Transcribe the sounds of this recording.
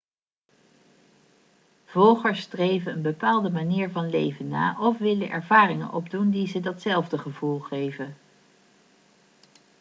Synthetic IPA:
v̥ɔlˠχəɹsːtrejvənənbəpaːlˠdəmaniːɹvɑnlejvənːa̰ːʔɔfʋɪlənʔɛ̰ɹvaːrɪŋə̰nʔɔb̚dundizədɑtsɛlˠvdəχəvulˠχejvə

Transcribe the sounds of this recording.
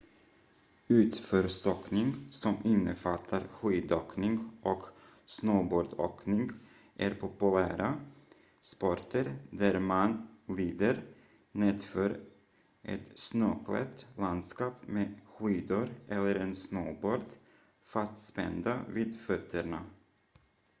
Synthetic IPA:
ʉ̟ːt̪fœːɾsɔknɪŋsɔmɪnːəfat̪ʰːaɾɧiːd̪oːknɪŋɡʔɔk | snoːboːɾɖ̪o̰knɪŋ | ʔæɾpʰʊpɵlæːɾa | spɔɾʈəɾd̪æɾmanliːd̪əɾ | neːd̪fœːɾ | ʔɛ̰t̪snoːkʰlɛ̰t̪land̪skɑːpmeɧiːd̪ʊɾʔɛlːəɾɛnsnoːboːɾd̪ | fast̪spɛ̰nd̪aviːd̪fœt̪ʰːəɳa

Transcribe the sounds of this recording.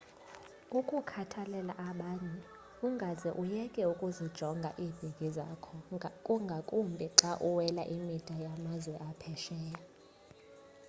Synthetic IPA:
ukʼukʰatʰalɛlaʔaɓaːɲɛ | uŋɡʱazɛʔujɛkʼɛukʼuzid̥ʒ̥ʱɔŋɡʱa̰ʔiːb̥ʱiɡ̥ʱʼiza̰kʰɔkʼuŋɡʱakʼumbʱiǁaʔuwɛla̰ʔimid̥ʼʱajamazwɛʔapʰɛʃɛːja

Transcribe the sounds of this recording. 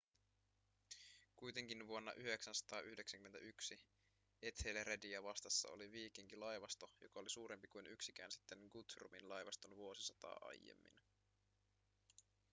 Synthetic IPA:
kujt̪e̞ŋk̟inʋuo̞nːɑ̰ʔyhe̞ksænsɑ̥t̪ɑːʔyhdeksæŋkyment̪æʔyksi | e̞t̪heleɾediɑʋɑst̪ɑsːɑ̰o̰liʋiːkiŋkilɑjʋɑst̪o̞jo̞̰kɑolisuːɾe̞mpikujnyksikæ̰ːnsi̥t̪ːenɡut̪rṵminlɑjʋɑst̪onʋuo̞sisɑt̪ɑ̰ːʔɑ̰jjːḛmːḭn

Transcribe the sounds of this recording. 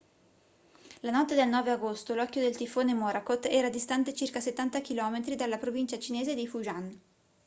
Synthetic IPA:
lanɔt̪ːed̪elnɔːveaɡost̪olɔkːjod̪elt̪ifoːnemɔːɾakot̪ːɛːɾad̪ist̪ant̪et͡ʃirkaset̪ːant̪akilɔːmet̪ɾid̪alːapɾovint͡ʃat͡ʃineːzed̪ifuʒan

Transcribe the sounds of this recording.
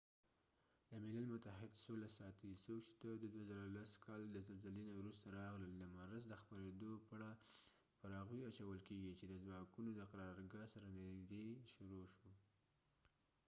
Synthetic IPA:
d̪əmɪlalmʊt̪aɦɪd̪solasɑt̪isokt͡ʃe̥t̪ad̪əd̪wazəɾalaskʰɑld̪əzalzəlenawɾust̪aɾɑɣləld̪əmaɾazd̪əxpaɾed̪opəaɽa | pəɾɑɣijat͡ʃawəlkeɡit͡ʃed̪əzwɑkunod̪əqaɾɑɾɡɑsaɾaneɡd̪eʃʊɾoʃo

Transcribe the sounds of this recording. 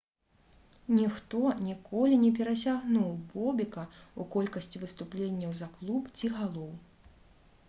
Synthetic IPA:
nʲixt̪ɔnʲikɔlʲinʲɛp̬ʲɛɾɐsʲaɣnuwbɔbʲikɐukɔlʲkɐsʲt͡sʲivɨst̪uplʲenʲːɐwzɐklˠupt͡sʲiɣalˠɔw

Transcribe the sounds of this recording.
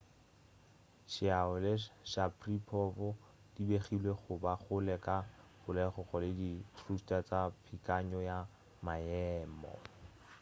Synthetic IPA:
ʃɪaʊlɪʃapʰripʰɔbɔ | dibeχilweχʊbaχʊlɛkʼabʊlɛχʊχɔlɪditʰrustʼat͡sapʰikʼaɲɔja | majɛːmɔ̰

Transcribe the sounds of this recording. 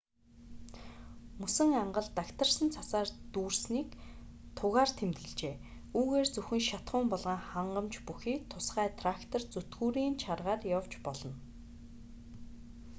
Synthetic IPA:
musɘ̆ŋaɴɢə̆ɮt̪akt̪ʰə̆r̥sə̆nt͡sʰasaːrt̪uːrsniːk | t̪ʰʊɣaːrt̪ʰemt̪ɣɘ̆ɮt͡ɕeː | uːɣeːrt͡sɵxɘ̆ŋʃat̪χʊːmpɔɮʁaːŋχaɴɢə̆mt͡ɕpuxiːk̚t̪ʰʊsχæːt̪ʰrakt̪ʰɔ̆rt͡sɵt̪ɡuːɾiːnt͡ɕʰarʁaːrjawt͡ɕpɔɮɞ̆n

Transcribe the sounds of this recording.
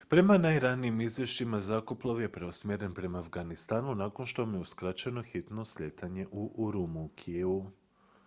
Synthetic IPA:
pɾe̞manajɾaniimizʋʲje̞ʃt͡ʃimazakoplˠaʋje̞pɾeosmʲjeɾe̞npɾe̞maːfɡanist̪aːnunaːko̞nʃt̪omjeuskɾat͡ɕeno̞xit̪no̞sʎʲet̪ʰaɲe̞ʔuʔɾumukʰiu

